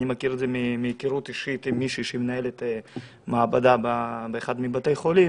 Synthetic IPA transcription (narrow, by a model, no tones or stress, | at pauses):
nimakiɾed̪zemimijkiɾut̪iʃit̪imːiʃiʃemenaelet̪ | maːbad̪ababeeχad̪mibat̪ejχoli